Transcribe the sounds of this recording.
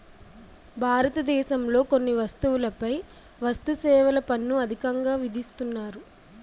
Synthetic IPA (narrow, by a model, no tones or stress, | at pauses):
bʱaːɾɐt̪ɐd̪ɛːʃɐmlo̞ːko̞nːiʋɐst̪uwulɐpɐj | ʋɐst̪usɛːʋɐlɐpɐnːuɐd̪ʱikɐŋɡaːʋid̪ʱist̪unːaːɾu